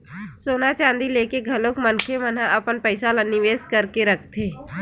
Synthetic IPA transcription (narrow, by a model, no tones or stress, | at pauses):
soːnat͡ʃãːnd̪ileːkeɡʱɐlõkmənkʰemənãʔɐpənpəɪsalanɪʋeːskəɾkeɾək̚ʰt̪ʰeː